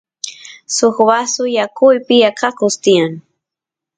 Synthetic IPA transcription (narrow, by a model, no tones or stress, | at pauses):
soxbasʊjakʊjpɪjakɑkʊst̪ɪjaŋ